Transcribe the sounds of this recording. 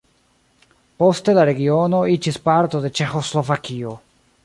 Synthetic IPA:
po̞ste̞laɾe̞ɡio̞no̞id͡ʒispaɾto̞de̞t͡ʃe̞xo̞slo̞vakio̞

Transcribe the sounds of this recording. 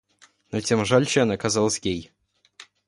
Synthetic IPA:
nɐtʲemʐalʲt͡ɕːnɐkazalˠsʲjʲej

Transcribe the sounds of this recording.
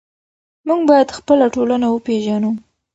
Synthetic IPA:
muɡ̚bɑjad̪xpəlaʈolanawəpeʒanu

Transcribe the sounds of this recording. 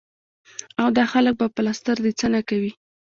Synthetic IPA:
awd̪ɑxalək̚bapəlast̪əɾd̪et͡sənakawi

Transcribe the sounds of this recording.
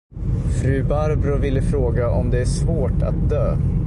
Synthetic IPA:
fɾʉ̟ːbaɾbɾʊvɪlːəfɾoːɡaʔɔmd̪ɛæʂvoːʈʰa̰t̪̚d̪øː

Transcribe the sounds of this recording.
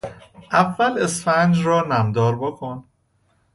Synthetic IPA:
ʔævːælesfænd͡ʒɾɒːnæmd̪ɒːɾbokʰon

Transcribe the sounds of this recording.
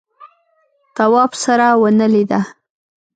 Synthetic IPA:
t̪awɑpsaɾawənəlid̪a

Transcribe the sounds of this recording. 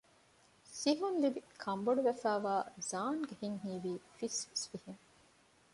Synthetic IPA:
siɦunlibikʰɐmboɖuʋefæːʋaːzaːnɡehiŋɦiːʋiːfisisʋiheŋ

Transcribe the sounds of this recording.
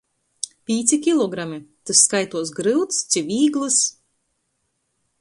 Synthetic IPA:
pʲiːt̪sʲikʲilˠɔɡɾamit̪ɨsːkajt̪uɔsɡɾɨwt̪st̪sivʲiːɡlˠɨs

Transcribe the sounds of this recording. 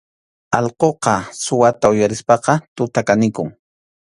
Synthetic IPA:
ɑlqoqɑsʊwat̪aʊjaɾɪspɑqɑt̪ʊt̪akanɪkʊŋ

